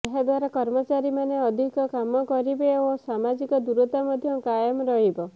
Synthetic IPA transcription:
eɦad̪waɾakɔɾmɔt͡ʃaɾimaneɔd̪ʱikɔkamɔkɔɾibeosamad͡ʒikɔd̪uɾɔt̪amɔd̪ʱjɔkajɔmɾɔɦibɔ

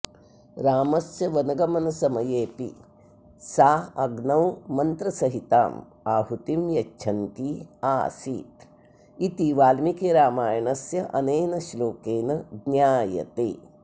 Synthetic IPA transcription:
ɾaːmɐsjɐʋɐnɐɡɐmɐnɐsɐmɐjeːpḭ | saːɐɡnɐwmɐnt̪ɾɐsɐɦit̪a̰ːm | aːɦut̪imjɐt͡ʃʰɐnt̪iaːsḭːt̪ | it̪iʋaːlmikeːɾaːmaːjɐnɐsjɐʔɐneːnɐʃloːkeːnɐɡnjaːjɐ̰t̪ḛː

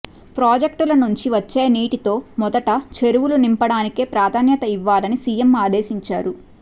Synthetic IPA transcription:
pɾaːd͡ʒek̚ʈulɐnuɲt͡ʃiʋɐt͡ʃːe̞ːniːʈit̪o̞ːmɔd̪ɐʈɐt͡ʃe̞ɾuʋulunimpɐɽaːnikeːpɾaːd̪ʱaːnjɐt̪ɐiʋːaːlɐnisijemaːd̪e̞ːʃiɲt͡ʃa̰ːɾu

